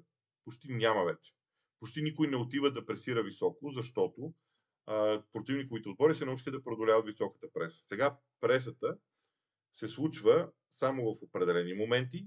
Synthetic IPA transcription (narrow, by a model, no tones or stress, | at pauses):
pot͡ʃt̪inʲamɐvɛt͡ʃɛ̥ | pot͡ʃt̪inikʊjnɛot̪ivəd̪ɐpɾɛsiɾəvisɔkozɐʃt̪ɔt̪o | pɾot̪ivnikovit̪ɛot̪̚bɔɾisɛnɐut͡ʃixəd̪ɐpɾod̪olʲavət̪visɔkə̥t̪əpɾɛsə̥sɛɡa | pɾɛs̬ət̪ə | sɛslˠut͡ʃvə | samovɐfopɾɛd̪ɛlɛnimomɛnt̪i